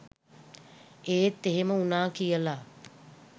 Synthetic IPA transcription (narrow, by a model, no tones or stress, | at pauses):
eːt̪ːeɦeməunaːkijəla